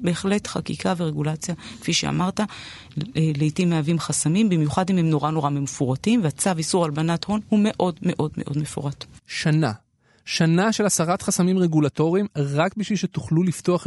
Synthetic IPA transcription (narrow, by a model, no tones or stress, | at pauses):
be̞ːχle̞tχakikʰaveʁe̞ɡulat͡sjakfiʃḛa̰maʁta | leitimeavimχasamimbimjuχadimhemno̞ʁano̞ʁamemfuʁatimveat͡savisuʁalbanatho̞nhume̞ʔo̞dme̞ʔo̞dme̞̰ʔo̞dme̞fṵʁatʃana | ʃanaʃe̞lasaʁat̪χasamimʁeɡulato̞ʁimʁakbiʃvilʃetuχlulifto̞aχ